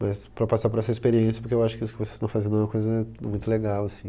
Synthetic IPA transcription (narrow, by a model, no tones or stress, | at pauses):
mɐspɾɐpasaɾpoɾɛsɐispeɾiẽsjɐpoɾkewaʃʊ̥kɪisʊkɪvoseznɐ̃w̃fazẽd̪ɐ̃ɛ̃mɐ̃kojzɐmũj̃t̪ʊleɡawɐsĩ